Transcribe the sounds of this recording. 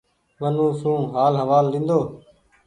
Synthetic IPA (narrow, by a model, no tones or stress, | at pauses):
ʋənũːsũːɦaːlɦəʋaːlːĩːnd̪oː